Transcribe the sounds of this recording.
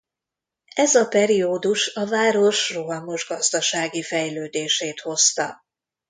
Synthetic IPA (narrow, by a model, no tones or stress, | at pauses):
ɛzɒpɛɾioːd̪uʃɒvaːɾo̞ʃroɦɒmo̞ʒɡɒzd̪ɒʃaːɡifɛjløːd̪eːʃeːt̪ho̞st̪ɒ